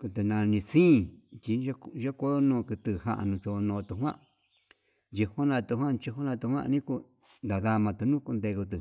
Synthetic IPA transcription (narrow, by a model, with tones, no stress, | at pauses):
ku˧t̪ɨ˧nã˧nĩ˧sĩː˦˨t͡ʃi˧˦˧ʒe˦ko˦nõː˧ku˧t̪ɨ˧˨ha̰˦˧ʔa̰˧nũ˧t͡ʃo˧nõː˧t̪u˧ɦwã̰˦ʔ | d͡ʒi˧ho˦nã˧t̪u˧ɦwã˦t͡ʃi˧ɦo˦nã˧t̪u˧hwã̰˦˧nĩ˦ku˧ | nd̪a˨ða˧mã˧t̪u˧nũ˦ku˧nd̪e˧ku˧t̪̬u˨